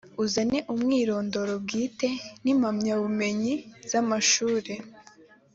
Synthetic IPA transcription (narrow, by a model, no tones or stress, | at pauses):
uzane̞ʔumŋiːɾo̞ːndo̞ɾobɡiːte̞nimamɲaβume̞ɲiz̥amaʃuːɾe̞